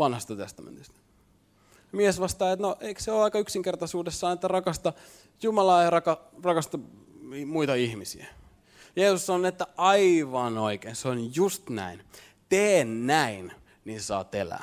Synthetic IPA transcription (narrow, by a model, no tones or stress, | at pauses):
ʋɑnhɑst̪ɑt̪est̪ɑmḛnt̪ist̪æ̥ | jɑmiesʋɑst̪ɑːet̪noʔeikseoːɑikɑyksiŋkert̪ɑsuːdesːɑːnet̪ːærɑkɑst̪ɑ | jumɑlɑeirɑkɑrɑkɑst̪ɑ | muit̪ɑihmisiæ | jeːsussɑnoniet̪ːæʔɑiʋɑnoikeinseonjust̪næ̰in | t̪eːnːæin | niːnsɑ̰ːt̪ḛlæ̰ː